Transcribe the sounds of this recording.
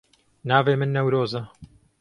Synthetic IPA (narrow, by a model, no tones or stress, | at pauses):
naːveːmɨnːɐwɾoːzɐ